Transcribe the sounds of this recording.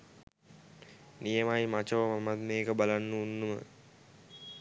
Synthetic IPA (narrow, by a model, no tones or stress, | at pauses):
nijəmajmat͡ʃoʋəmamat̪meːkəbalanːuunːumə̰